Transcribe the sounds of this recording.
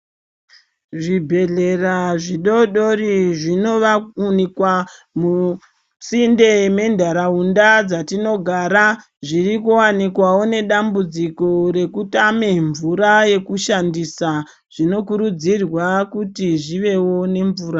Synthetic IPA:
ʐibʱe̞ɮe̞raʐiɗo̞ɗo̞riʐino̞ʋaunikwa | mu | sinde̞me̞ndʱaɾaundad͡zatino̞ɡʱaɾa | ʐirikuwanikwawo̞ne̞ɗambud͡zikoɾe̞kutameɱvuɾaje̞kuʃandisa | ʐ̥ino̞kuɾud͡zirwakutiʐiʋe̞wo̞ne̞ɱvuːɾa

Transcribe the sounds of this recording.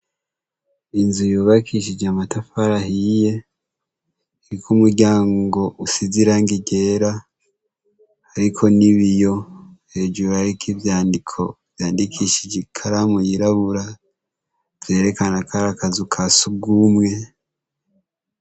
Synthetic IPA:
inzujoːβakʰiʃid͡ʒamatafaɾaɦije̞ | ɾikʰumuɾɟaːŋɡo̞ʔusiziɾaŋɡiɟe̞ːɾa | ɾikʰo̞niβijo̞he̞d͡ʒuɾuɾaɾikʰivjaːndikʰo̞vjaːndikʰiʃid͡ʒikʰaɾamujiɾaβuɾa | e̞ːɾe̞kanakaɾakazukʰasuɡumŋe̞

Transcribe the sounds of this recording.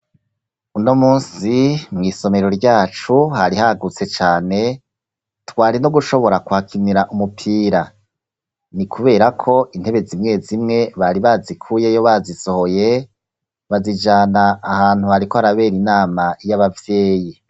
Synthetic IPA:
uno̞muːnsimŋiːso̞me̞ɾo̞ɾɟaːt͡ʃuhaɾihaɡut͡se̞t͡ʃaːne̞ | twaːɾino̞ɡuʃo̞βo̞ɾakuhakʰiniɾaʔumupʰiːɾa | nikʰuβe̞ːɾakʰo̞ʔin̥he̞βe̞zimŋe̞zimŋe̞βaɾiβazikʰuːje̞jo̞βaziso̞ho̞je̞ | βazid͡ʒaːnaːhaːn̥huhaɾiko̞haɾaβe̞ːɾinaːmaijaβavjeːji

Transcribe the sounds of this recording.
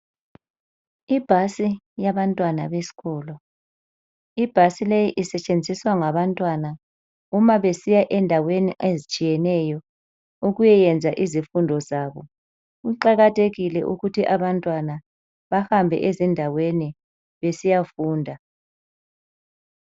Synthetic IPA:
ib̥ʱasi | jaβantʼwanaβesi̥ɣɔːlɔ | ib̥ʱasilejiʔisɛt͡ʃʼend͡zʱiswaŋaβantʼwana | umaβesijaʔɛndʱaweniʔezit͡ʃʼijɛnɛjɔ | uɣujɛjɛnd͡zʱaʔizifundʱɔzaːβɔ | uǃaɣatʰeɣilɛ̰ʔuɣutʰiʔaβantʼwana | βahambʱɛ̰ʔezindʱaweni | βesijafuːndʱa

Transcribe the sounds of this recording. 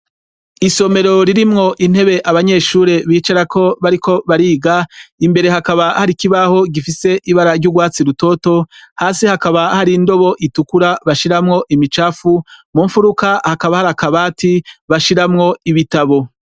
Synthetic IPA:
iso̞me̞ɾo̞ɾiɾimŋo̞ʔin̥he̞βe̞ʔaβaɲe̞ːʃuːɾe̞βiːt͡ʃaɾakʰo̞βaɾikʰo̞βaɾiːɡaimbe̞ɾe̞ɦakaβahaɾikiβaho̞ɡifise̞ʔiβaɾaɾɟuɡwaːt͡siɾuto̞ːto̞haːsihakaβahaɾindo̞βo̞ʔitukuɾaβaʃiɾamŋo̞ʔimit͡ʃaːfumuɱfuɾukahakaβahaɾakaβaːtiβaʃiɾamŋo̞iβitaβo̞

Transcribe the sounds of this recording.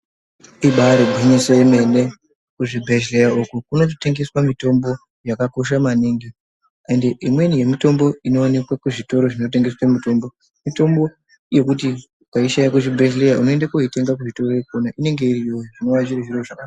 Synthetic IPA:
iɓaɾeɡʱiɲiseme̞ne | kuʐibʱe̞ʒejaukukunot̬ote̞ŋɡe̞swamito̞mbo̞ | jakako̞ʃamaniŋɡi | andeʔimwe̞nije̞mito̞mbo̞ino̞ːne̞kwakuʐito̞ɾo̞ʐino̞t̬e̞ŋɡe̞swamito̞mbo̞ | mito̞mbo̞ | je̞kuti | paiʃajakuʐibʱeʒlejaʔuno̞endakuite̞ŋɡak̬uʐito̞rekonaʔine̞ŋɡe̞irijoiʐino̞wat͡ʃiriʐiroʐaka

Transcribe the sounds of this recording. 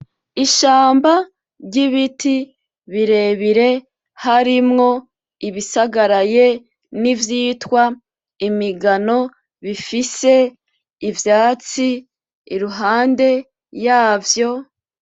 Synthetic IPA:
iʃaːmba | ɾɟiβiti | βiɾe̞βiɾe̞ | haɾimŋo̞ | iβisaɡaɾaje | nivjiːtwa | imiɡano̞ | βifise̞ː | vjaːt͡siː | ɾuɦaːnde̞ | jaːvjo̞

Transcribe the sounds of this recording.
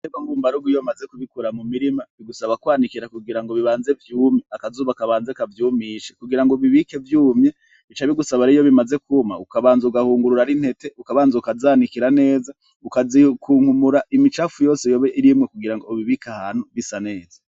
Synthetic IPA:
eβaŋɡumbaɾuɡujomaze̞kuβikuɾamumiɾimaβiɡusaβakwaːnikiɾakuɡiɾaŋɡoβiβaːnze̞vjuːmɲeakazuːβakaβaːnzekavjuːmiːʃekuɡiɾaŋɡoβiβike̞vjuːmɲe̞ | it͡ʃaβiɡusaβaɾijo̞βimaze̞kumaukaβaːnzauɡahuːŋɡuɾuɾaɾin̥he̞te̞ukaβaːnzaukazaːnikiɾane̞ːza | ukazikuːŋhumuɾaʔimit͡ʃafujo̞ːsejoβeʔiɾimŋekuɡiɾaŋɡoβiβikahaːn̥huβisane̞ːz̥ḁ

